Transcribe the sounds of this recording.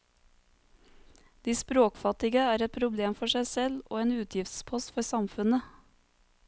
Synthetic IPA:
d̪̥iːspɾoːkfɑt̪ɪɡəæːɾɛt̪̚pʰɾʊbleːmfɔʃæɪsɛlʔo̰ːeːnʉːt̪ʰjɪft̪spʰɔst̪fɔɾsɑmfʉnə

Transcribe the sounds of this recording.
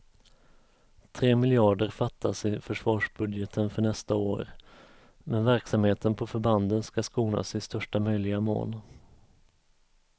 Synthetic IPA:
t̪ʰɾeːmɪljɑːɖəɾfat̪ʰːasɪfœʂvɑːʂbɵd̪jɛt̪ʰənfœɳɛst̪ao̰ːɾ | mɛnvæɾksamheːt̪ʰənpʰɔfœɾband̪ənskaskuːna̰sɪst̪œʂʈamœjlɪɡamo̰ːl

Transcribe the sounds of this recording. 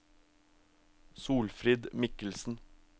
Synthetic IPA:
suːlfɾiːd̪mɪkəl̩sn̩

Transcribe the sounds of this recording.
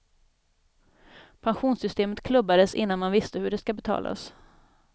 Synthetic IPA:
pʰanɧuːnsʏst̪eːmət̪kʰlɵbːad̪əsɪ̰nːanmanvɪst̪əhɵɖɛskabɛt̪ʰɑ̰ːlʔa̰s

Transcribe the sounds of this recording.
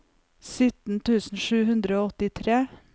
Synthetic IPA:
sʏt̪n̩t̪ʰʉːsn̩ʃʉːhʉnd̪ɾəoːɔt̪ɪt̪ʰɾeː

